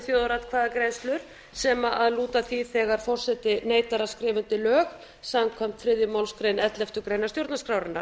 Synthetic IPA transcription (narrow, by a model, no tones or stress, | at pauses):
θjoːðɾat̪kʰvaːðakɾejnst̪lʏɾ̥ | sɛmaʔaðluːt̪aθiθɛːɣaɾ̥fɔr̥sɛt̪ɪneːjt̪aɾḁskɾɪːvʏnt̪ɪlœːɣ | samkʰvam̥t̪fɾɪðjʏmawlskɾejnɛt̪lɛft̪ʏɾkɾeːjnast̪jowɾt̪naskɾawɾɪnːa̰ɾ